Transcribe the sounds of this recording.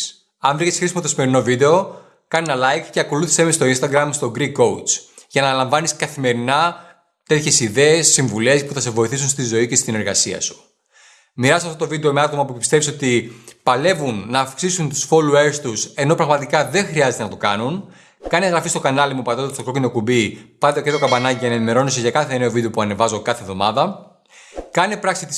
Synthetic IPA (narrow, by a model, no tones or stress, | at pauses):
ɐɱvɾicesxɾisimɐt̪o̞simeɾino̞vid̪e̞o̞ | kɐninɐlɐjkce̞ɐko̞luθi̥semist̪o̞inst̪ɐɡɾɐmst̪o̞ɡɾikːo̞ut͡sʝɐnɐlɐɱvɐniskɐθime̞ɾinɐ | t̪e̞t̪çe̞siðe̞esːiɱvule̞spuθɐse̞vo̞iθis̬unst̪izo̞ice̞st̪ine̞ɾɣɐ̰siɐ̰su̥ | miɾɐssɐft̪ot̪vid̪e̞o̞me̞ɐt̪o̞mɐpupi̥st̪efiso̞t̪ipɐle̞vunːɐːfksisunt̪u̥sfolueɾst̪use̞no̞pɾɐɣmɐt̪ikɐðe̞xɾiɐze̞t̪enɐt̪okɐnun | kɐneɣɾɐfist̪o̞kɐnɐlimupɐt̪ot̪t̪stokɾo̞cino̞kubipɐt̪oket̪ɾo̞kɐbɐnɐciɐnɐenime̞ɾo̞noseʝɐkɐθe̞ne̞o̞vid̪eopuɐnevɐzo̞kɐθevðo̞mɐðɐ | kɐnepɾɐksit̪i̥